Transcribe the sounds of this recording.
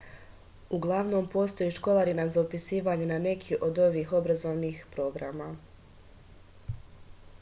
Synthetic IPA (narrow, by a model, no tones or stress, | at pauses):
uɡlˠaʋno̞mpo̞st̪o̞jeʃko̞lˠaɾinazaupisiːʋaɲenane̞kʰiʔo̞d̪o̞ʋixo̞bɾazo̞ʋniːxpɾo̞ɡɾama